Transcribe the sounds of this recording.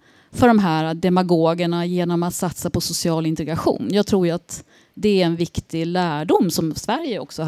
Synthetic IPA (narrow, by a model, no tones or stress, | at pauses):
fœɖɔmɦæːɾad̪ɛmaɡoːɡəɳajeːnɔmat̪sat̪sapʰɔsʊsɪɑːlɪnt̪ɛɡɾaɧṵːnjɑːɡt̪ʰɾuːjat̪ | d̪ɛæɾɛnvɪkt̪ɪlæːɖʊmːsɔmsvæɾjəɔ̰ksɔ